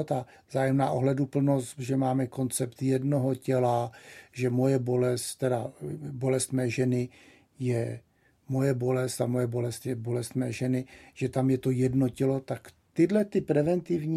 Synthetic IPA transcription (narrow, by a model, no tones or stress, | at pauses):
t̪a | vzaːjɛmnaːʔo̞ɦlɛdupl̩no̞st̪ʒɛmaːmɛko̞nt͡sɛpt̪jɛdno̞ɦo̞cɛlaʒɛmo̞jɛbo̞lɛst̪t̪ːɛdabo̞lɛst̪mɛːʒɛnɪ | jɛ | mo̞jɛbo̞lɛst̪amo̞jɛbo̞lɛst̪jɛbo̞lɛst̪mɛːʒɛnɪʒ̥ɛt̪amjɛt̪o̞jɛdno̞cɛlo̞t̪akt̪ɪdlɛt̪ɪpɾɛvɛnt̪ɪvɲi